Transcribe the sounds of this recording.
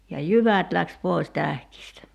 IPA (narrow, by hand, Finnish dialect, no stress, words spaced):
jɑ jyʋæt læks poi̞s tæhkistæ